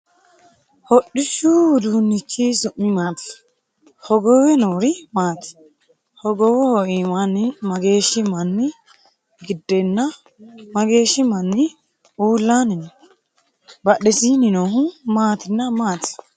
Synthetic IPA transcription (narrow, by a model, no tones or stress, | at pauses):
hɔɗːɪʃud̪uːnːɪkːisʊʔːɪmaːt̪ɪ̥ | hɔɡɔwɛnoːɾɪmaːt̪ɪ̥ | hɔɡɔwɛhɔʔiːmanɪmɐɡe̞ːʃɪmɐnːɪ | ɡɪd̪ːɛnːɐ | mɐɡe̞ːʃːɪmɐnːɪ | uːlːanɪn | bɐɗɛsiːnɪnoɦʊmaːt̪ɪnːɐmaːt̪ɪ̥